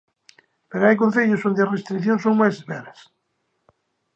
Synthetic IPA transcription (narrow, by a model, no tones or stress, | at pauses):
peɾoajk̬on̟θeʎʊsond̪earest̪ɾikθjonsoŋmajs̬espɛɾɐs